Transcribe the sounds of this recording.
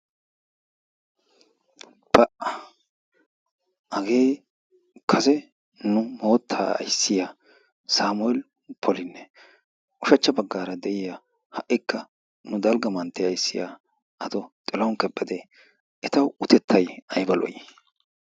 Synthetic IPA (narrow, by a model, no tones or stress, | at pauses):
b̥ɐʔɐ | ʔɐɡe̞ː | kʰɐsɛ | nʊmo̞ːt̪ʰːaːɐ̰jsːɪjaː | saːmʊɛl | pʰɔlɪnːɛ | ʔʊʃɐt͡ʃːɐbɐɡːaːɾɐd̪ɛʔɪja | hɐʔːɪkːɐ | nʊd̪ɐlɡɐmɐnt̪ːɛjɐjsːɪja̰ː | ʔɐt̪ɔt̪ʼɛlɔŋkɛpʼːɛd̪e | ʔɛt̪ɐwʊt̪ɛt̪ʰːɐjɐjbɐlɔ̰j